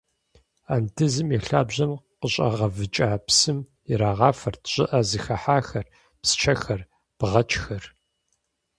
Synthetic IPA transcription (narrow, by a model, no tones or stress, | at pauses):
aːntʰɨzɨmɛɬaːbʑɐmqəɕʼɐ̰ʁɐvɨt͡ʃʼaːpsɨm | iɾaːʁɑːfɐrtʰɕʼɪʔɐzɨxɐħaːxɐr | pst͡ʃʰɐxɐr | b̥ʁɐt͡ʃʰʼxɐr